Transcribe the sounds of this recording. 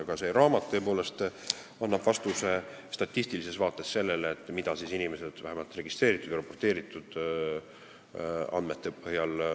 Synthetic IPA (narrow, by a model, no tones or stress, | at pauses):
ɡ̥ɑse̞ɾɑːmɑt̪ːø̞ːpo̞ːle̞st̪ | ɑnːɑb̥vɑst̪use̞st̪ɑt̪ʲːˑist̪ilise̞svɑːt̪ːˑe̞sse̞lːe̞leːt̪ːˑmid̪̥ɑsisinime̞sed̪̥væɦæmɑlt̪ˑre̞ɡist̪re̞ːɾit̪ːˑud̪jropːo̞rt̪ːe̞ːɾit̪ːˑud̪̥ | ɑ̰nd̪̥met̪ːepɤhjɑl